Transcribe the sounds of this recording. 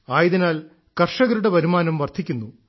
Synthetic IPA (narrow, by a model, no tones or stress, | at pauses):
aːjiðinaːl | kɐrʂɐɣɐɾuɽe̞bɐɾumaːnɐmʋɐrt̪ʰikʲːunːu